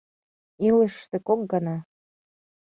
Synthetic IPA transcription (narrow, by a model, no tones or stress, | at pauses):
ilə̆ʃːt̪ĕkok̚ɡɑnɑ